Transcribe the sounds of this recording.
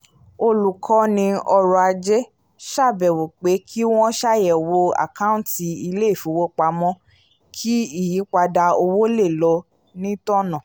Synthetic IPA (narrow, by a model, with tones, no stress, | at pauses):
o˧lu˨kʰɔ˦nĩ˧ɔ˧ɾɔ˧a˧d͡ʒe˦ | ʃa˦˨bɛ˨wo˨k͡pe˨˦kʰi˦w̃ɔ̃˦ʃa˦˨jɛ˨wo˧a̰˨kã˦ũ˦˨ti˧i˧le˦˨fũ˨˦wo˧k͡pa˨˧mɔ̃˦ | kʰi˦i˦˨ji˨˦k͡pa˧da˧o˧wo˦le˦˨lɔ˧˦ | nĩ˦tɔ̃˦nã˨